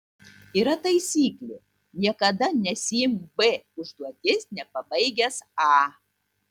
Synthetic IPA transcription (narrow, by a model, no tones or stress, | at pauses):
iːɾɐt̪ɐɪsʲiːklʲe | nʲiɛkɐd̪ɐnʲɛsʲɪɪmbeʊʒd̪uɔt̪ʲɪsnʲɛpɐbɐɪɡʲɛsɑː